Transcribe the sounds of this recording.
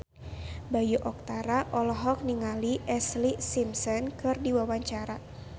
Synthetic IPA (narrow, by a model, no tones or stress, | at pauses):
bajuʔɔk̚t̪aɾaʔɔlɔɦɔk̚niŋaliʔɛslisimsɔnkɨrdiwawaɲt͡ʃaɾa